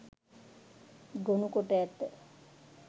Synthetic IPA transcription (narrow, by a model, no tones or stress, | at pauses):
ɡonukoʈəjæt̪ːə